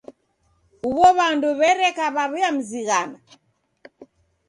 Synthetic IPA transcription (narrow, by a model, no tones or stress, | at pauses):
uβɔβanduβɛɾɛkaβaβiam̩ziɣana